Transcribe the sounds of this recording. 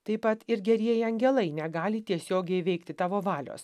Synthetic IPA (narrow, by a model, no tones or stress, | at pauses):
t̪ɐɪpɐt̪ɪɾɡʲɛɾʲiɛjɪɐŋʲɡʲɛlˠɐɪnʲɛɡɑːlʲɪt̪ʲiɛsʲoːɡʲɛɪʋʲɛɪkt̪ʲɪt̪ɑːʋoːʋɑːlʲo̰ːs